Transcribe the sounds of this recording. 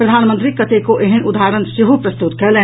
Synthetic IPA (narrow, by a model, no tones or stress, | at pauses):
pɾəd̪ʱaːnmənt̪ɾikət̪ekoʔeɦənʔud̪ʱaɾənseɦupɾəst̪ut̪̚kɛle